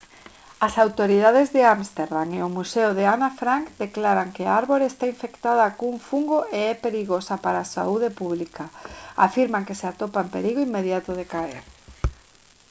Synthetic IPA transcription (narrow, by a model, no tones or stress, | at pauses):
asawt̪oɾiðaðezðeamst̪eɾðaŋeʊmuseʊðeanafɾaŋkd̪eklaɾaŋkeaaɾβoɾest̪aiɱfekt̪að̞ɐkuɱfuŋɡoʔeɛpeɾiɣosapaɾaːsa̰uðepuβlikaa̰fiɾmaŋkeseat̪opaempeɾiɣoimːeðjat̪ʊðekaḛɾ